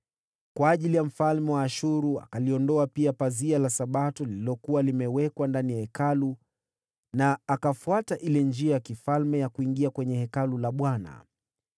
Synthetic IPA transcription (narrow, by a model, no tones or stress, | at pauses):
kwaːʄilijam̩falmɛwaːʃuɾua̰kaliɔndɔapiapazialasaɓatɔlililɔkuwalimɛwɛkwandanijahɛkalu | naːkafuataʔilɛnd͡ʒiajakifalmɛjakuiŋɡiakwɛɲɛhɛkalulaɓwana̰